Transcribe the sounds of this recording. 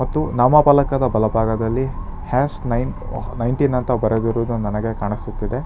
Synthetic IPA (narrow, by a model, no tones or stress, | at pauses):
mɐt̪ːunaːmɐpaːlɐkɐd̪ɐbɐlɐbʱaːɡɐd̪ɐlːihaːsnɐjnnɐjɳʈinːɐnt̪ɐbɐɾed̪iɾuːd̪unɐnɐɡe̞kaːɳisut̪ːid̪e̞